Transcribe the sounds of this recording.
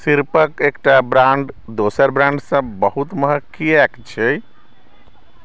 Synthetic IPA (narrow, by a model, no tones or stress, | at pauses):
siɾpəkekʈabɾaɳɖd̪osəɾbɾãɳɖsə̃bəɦut̪məɦəkːiɛkt͡ʃʰe